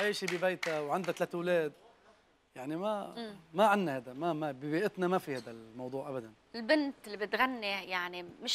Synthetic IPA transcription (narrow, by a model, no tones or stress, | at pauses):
ʕiːʃibibejt̪awʕand̪at̪leːt̪wleːd̪ | jaʕnimamaʕanːahad̪amamabɪbeːʔɪt̪namafihaːd̪almɑwd̪ˤuːʕʔabad̪an | ɪlbɪnt̪lːibɪt̪ɣanːijaʕnimɪʃ